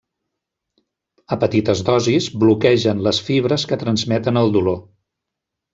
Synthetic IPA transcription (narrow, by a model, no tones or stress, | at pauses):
əpət̪it̪əzðɔzizblukɛʒənləsfiβ̞ɾəskət̪ɾənzmɛt̪ənəlˠd̪ulo